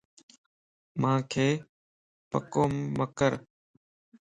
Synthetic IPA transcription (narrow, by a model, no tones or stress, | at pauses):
mãːkʰeː | pə̰koːmːəkəɾ